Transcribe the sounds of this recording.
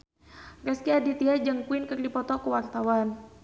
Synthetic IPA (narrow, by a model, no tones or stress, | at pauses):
rɛskiadit̪iad͡ʒəŋkuɪnkɨrdipɔt̪ɔkuwart̪awan